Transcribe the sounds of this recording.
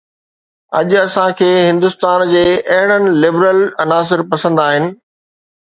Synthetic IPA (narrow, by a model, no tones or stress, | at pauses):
ɐʄʊɐsãkʰeːɦɪ̃nd̪ʊst̪aːnd͡ʑeːɐɦɪɽ̃ənɪ̆lɪbɾəlɐnaːs̬ɪɾpɐsə̃nd̪aːɦɪnɪ̆